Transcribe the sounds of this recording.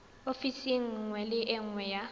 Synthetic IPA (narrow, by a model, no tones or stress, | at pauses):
ofisɪŋ̩ŋwɛlɪʔɪŋ̩ŋwɛja